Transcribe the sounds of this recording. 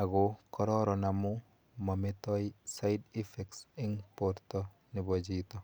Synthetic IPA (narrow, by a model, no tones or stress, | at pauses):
aɡokɔɾɔɾɔnamu | mamɪt̪ɔisajdifɛksiŋpɔɾt̪ɔ | nibɔd͡ʒit̪ɔ